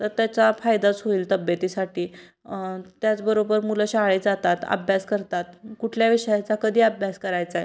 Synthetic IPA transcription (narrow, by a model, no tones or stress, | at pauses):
t̪əɾt̪jat͡safajd̪at͡sɦoiːlt̪əbjət̪iːsaʈiː | t̪jat͡sbəɾobəɾmuləɕaɭid͡zat̪at̪ə̰bʱjaskəɾt̪at̪̚kuʈʰljaʋiʂəjat͡sakəd̪ʱiːəbʱjaskəɾajt͡sae